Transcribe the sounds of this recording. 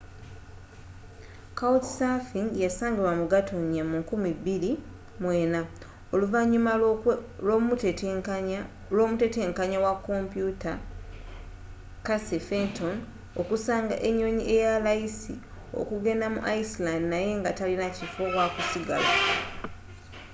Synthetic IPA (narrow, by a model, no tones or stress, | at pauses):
kawtsafiŋɡjasaːŋɡiβwamuɡatʰo̞nijamuŋkumiβiɾi | mwe̞ːna | o̞luvaɲːumalomut | loːmute̞te̞ːŋkaɲawakːo̞mpjuta | kasefento̞n | o̞kusaːŋɡa̰ʔe̞ɲːo̞ːɲiʔe̞jalajisḭ | o̞̰kuɡe̞ndamṵʔaislandinaje̞ŋɡatalinacifokwakusiɡa̰la̰